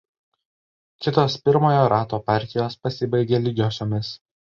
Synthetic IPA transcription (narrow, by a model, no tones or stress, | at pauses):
kʲɪt̪oːspʲɪɾmoːjoːɾʔɑːt̪oːpɑˑɾʲt̪ʲɪjoːspɐsʲɪbɐɪɡʲeːlʲɪɡʲoːsʲoːmʲɪs